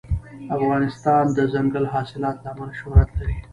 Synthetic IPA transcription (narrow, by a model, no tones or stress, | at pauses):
afɣɑnɪst̪ɑnd̪əzaŋɡəlɦɑsɪlɑt̪laːmalaʃʊhɾat̪laɾi